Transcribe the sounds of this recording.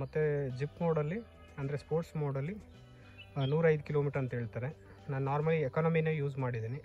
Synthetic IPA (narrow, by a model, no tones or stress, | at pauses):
mɐt̪ːed͡ʒipːmoːɽɐlːi | ɐnd̪ɐɾespoːɾʈsmoːɽɐlːi | nuːɾɐjd̪ukiloːmiːʈɐɾɐnt̪ɐɦeːɭt̪aːɾe | naːnunaːɾmɐlːiekaːnɐmineːjuːd͡ʒmaːɽid̪eːni